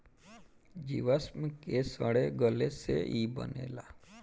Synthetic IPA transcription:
d͡ʒiʋasməkesəɽeɡəlesḛʔibə̰nḛla

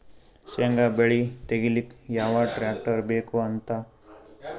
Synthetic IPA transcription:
seŋɡabeɭit̪eɡilikjaːʋaʈɾaːk̚ʈɐɾbeːkuɐnt̪a

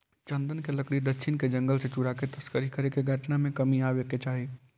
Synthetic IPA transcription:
t͡ʃənd̪ənkeləkɽid̪ətːʃʰɪnked͡ʒə̃ŋɡəlset͡ʃuɽaket̪əskəɾikəɾekeɡʱəʈnamẽkəmiaʋeket͡ʃaːɦi

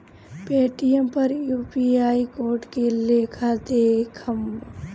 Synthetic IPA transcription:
peːʈijəmpɐɾjuːpiaːikoːɾʈkeleːkʰad̪eːkʰəm

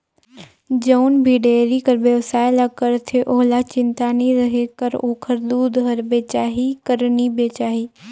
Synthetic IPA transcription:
d͡ʒɐʊnbʱiɖeːɾikəɾbeʋsaːɪlakəɾt̪ʰeʔoɦlat͡ɕɪ̃nt̪anĩɾɐɦekəɾoːkʰəɾd̪uːd̪ɦɐɾbet͡ʃaːɦikəɾnibeːt͡ʃaːɦiː

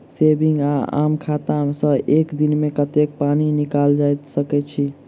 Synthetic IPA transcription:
sebiŋɡaa̰mkʰat̪amsə̃ekd̪inmekət̪ek̚paninikald͡ʒajt̪səkɛt͡ʃʰi

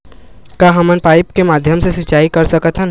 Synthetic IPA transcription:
kaːɦɐmənpaːɪpkemaːd̪ʱjəmsesɪt͡ʃaːikɐɾsɐkət̪ʰɦən

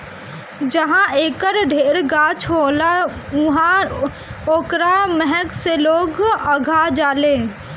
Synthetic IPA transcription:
d͡ʒəɦãeːkəɾɖʱeːɽɡaːt͡ʃʰɦoːlaʊɦã | oːkɾamɛɦɛkseloːɡəɡʱad͡ʒaːleː

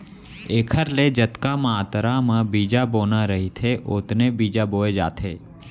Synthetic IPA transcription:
eːkʰəɾled͡ʒɐt̪kamaːt̪əɾamãbiːd͡ʒaboːnaɾəɦit̪ʰeʔʊt̪nebiːd͡ʒaboːed͡ʒa̰ːt̪ʰeː

